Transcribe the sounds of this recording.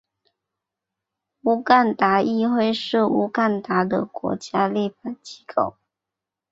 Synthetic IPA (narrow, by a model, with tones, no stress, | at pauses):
u˧˥ka˥˩nt̪a˨˧˥ʔi˥˧xwe˥˧ɪʂɻ̩˥˩u˧˥ka˥˩nt̪a˧˥˦d̪ə̰˨kwɔ̰˧˥t͡ɕja˥li˥˩fa˨˩t͡ɕi̥˧˥kʰo˥˨˩ʊ